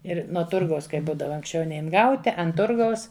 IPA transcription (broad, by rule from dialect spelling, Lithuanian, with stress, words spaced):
ˈɪr nuɔ ˈtʊrɡɐʊs ˈkɐɪ ˈbuːdɐʋɐ ɐŋksʲˈt͡ʃʲɛʊ ˈnʲɛɪn ˈɡɐʊtʲɪ ɐn ˈtʊrɡɐʊs